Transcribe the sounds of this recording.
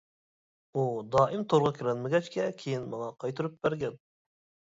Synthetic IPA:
ud̪ɑːʔɪmt̪ʰoɾʁɑkʲʰiɾɛnmɪɡʲɛt͡ʃkʲɛkʲʰejinmɑŋɑqʰɑjt̪ʰɨɾyp̚b̥æɾɡʲɛn

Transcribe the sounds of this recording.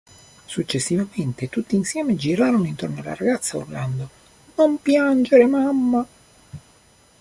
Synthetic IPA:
sut͡ʃːesːivament̪et̪ut̪ːinsjɛːmed͡ʒiɾaːɾonoint̪ornoalːa̰ɾaɡat̪sːao̰rland̪o | nompjand͡ʒeɾemamːa

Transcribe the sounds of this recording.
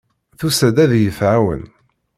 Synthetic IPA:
θusæd̪æðjəfʕawə̰n

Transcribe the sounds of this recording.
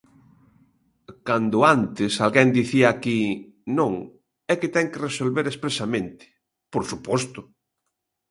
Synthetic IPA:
kand̪ʊant̪ɪsalɣɛnd̪iθiaːki | nõŋ | ɛkɪt̪ɛŋkeresolβeɾespɾesamẽnt̪ɪ̥ | poɾsupɔst̪ʊ

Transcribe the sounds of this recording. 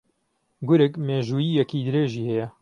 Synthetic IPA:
ɡʊɾɨkmeːʒuːjiːjɛkid̪ɨɾeːʒiːhɛjɛ

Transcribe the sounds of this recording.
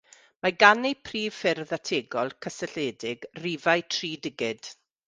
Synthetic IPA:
maɡanejpʰriːv̥fɪrðatʰeːɡɔlˠkʰəsɛɬeːdɪɡriːvajtʰriːdɪɡɪd̥

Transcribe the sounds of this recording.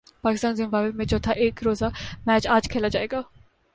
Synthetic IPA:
paːkɪst̪aːnzɪ̃mbaːbemẽd͡ʒot̪ʰaʔeːkɾoːzamɛːt͡ʃaːd͡ʒkʰeːlad͡ʒaːeːɡaː

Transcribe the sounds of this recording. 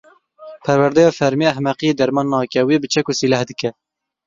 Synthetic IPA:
pʰɛɾwæɾd̪ɛjɑːfɛɾmiæɦmɛqijeːd̪ɛɾmɑːnːɑːkʲɛwebɨt͡ʃʰɛkusilæhd̪ɨkɛ

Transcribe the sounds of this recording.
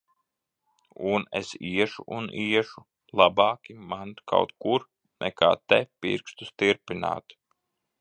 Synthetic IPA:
unḛsiɛʃuʔunʔiɛʃu | lˠabɑːkʲimankʰa̰wt̪kuɾ | nʔɛ̰ka̰ːt̪ɛpḭɾkst̪ust̪iɾpina̰ːt̪

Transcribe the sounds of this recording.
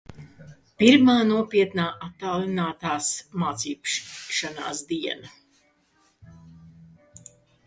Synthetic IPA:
piɾmaːnuɔpiɛt̪naːʔat̪ːaːlˠinaːt̪aːsmaːt̪siːpʃʃana̰ːsd̪iɛna

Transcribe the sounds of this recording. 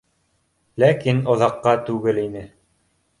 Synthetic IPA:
lækinŏðɑqːɑt̪ʉɡɘlinɘ

